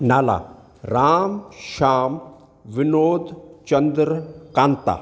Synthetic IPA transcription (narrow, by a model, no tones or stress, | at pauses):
naːla̰ | ɾaːmʃaːm | ʋinoːd̪t͡ɕənd̪ɾkant̪a̰